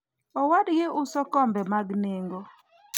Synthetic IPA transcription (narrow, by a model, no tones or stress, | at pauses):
ɔwadɡeʔʊsɔkɔmbɛmaɡneŋɡo